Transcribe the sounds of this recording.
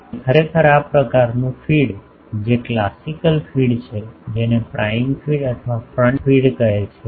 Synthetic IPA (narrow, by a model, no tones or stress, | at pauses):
kʰəɾekʰəɾapɾəkaɾnũfiɽ | d͡ʒeklasikəlfiɽt͡ʃʰed͡ʒenepɾʔaimfiɽət̪ʰəʋafɾə̃ɳʈfiɽkəɦet͡ʃʰe